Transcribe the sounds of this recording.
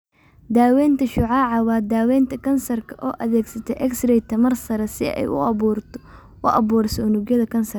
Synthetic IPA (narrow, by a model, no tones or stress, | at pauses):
d̪aːwɛːnt̪ʰɐʃʊʕɑːʕɑwɑːd̪aːwɛːnt̪ʰɐkʰɐnsɐrkʰɐʔɔːʔɐðɛːɡsɐt̪ʰɛʔɛksrɛjt̪ʰːɐmɐrsɐɾɛsɪɛ̰jʔʊ̰ɐurt̪ | ʔʊʔɐ̰βuːrsɔːnʊɡjɐðɐkʰɐnsɐr